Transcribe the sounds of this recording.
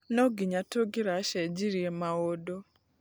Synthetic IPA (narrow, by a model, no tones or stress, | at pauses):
noɡiɲatoɡiɾaʃɛd͡ʒiɾiemaodo